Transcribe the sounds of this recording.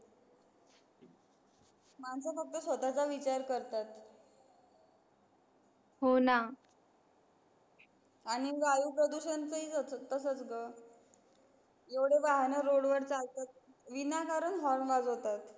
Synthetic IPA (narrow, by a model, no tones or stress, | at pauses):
mant͡safək̚t̪əsʋət̪at͡saʋit͡ɕaɾkəɾt̪at̪ | ɦona | aɽ̃iʋajupɾəd̪uɕənt͡səɦiːt͡sət̪əsət͡sɡə | eʋɽeʋaɦnəɾoɽʋəɾt͡salt̪at̪̚ | ʋinakaɾənɦɔɾɳʋad͡zɦot̪at̪